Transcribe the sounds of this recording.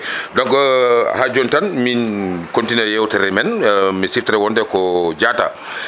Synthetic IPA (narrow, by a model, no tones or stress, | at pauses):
dɔŋkhad͡ʒɔntanminkontinɛjɛwtɛɾɛmɛnmisiftɾɛwɔndɛkɔd͡ʒata̰